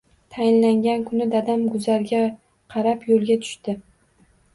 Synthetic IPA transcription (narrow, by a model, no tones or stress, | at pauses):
t̪ʰajɪnlaŋɡʲankʰʊnɪd̪ad̪amɡʊzaɾɡʲa | qʰɑɾapjolɡʲat̪ʰʊ̥ʃt̪ɪ